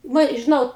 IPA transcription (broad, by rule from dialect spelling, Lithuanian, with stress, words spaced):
ˈʋɐ ɪ ʒʲɪˈnɐʊ